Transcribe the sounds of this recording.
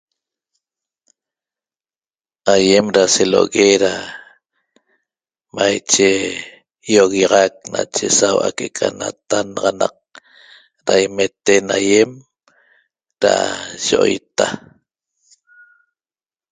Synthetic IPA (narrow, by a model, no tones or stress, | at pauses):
ajemɾaseloɣeɾa | majt͡ʃe | joɣjɑʁɑk̚nat͡ʃesawa̰kekʰanat̪anɑʁɑnɑq̚ | ɾajmet̪enajem | ɾaʒoʔo̰jt̪a